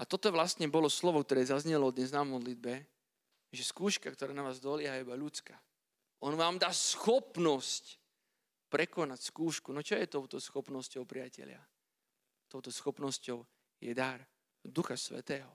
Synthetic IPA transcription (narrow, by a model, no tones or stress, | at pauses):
at̪ɔt̪ɔʋlast̪ɲɛbɔlɔslɔʋɔkt̪ɔɾɛːzazɲɛlɔd̪ɲɛznamɔd̪lid̪bɛ | ʒɛskuːʃkakt̪ɔɾaːnaʋaːzd̪ɔlɪɛɦaibaʎut͡ska | ʔɔnʋaːmd̪aːsxɔpnɔsc | pɾɛkɔnacskuːʃkunɔt͡ʃɔjɛt̪ɔʊt̪ɔsxɔpnɔscɔʊpɾɪacɛ̰ʎɪa̰ | t̪ɔʊt̪ɔsxɔpnɔscɔʊ | jɛd̪aɾ | d̪uxasʋɛ̰t̪ɛːɦɔ